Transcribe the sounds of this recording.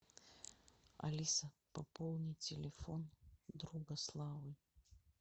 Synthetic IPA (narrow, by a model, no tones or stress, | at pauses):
ɐ̰lʲisəpɐpolˠnʲitʲɪlʲɪfond̪ɾuɡɐslˠavɨj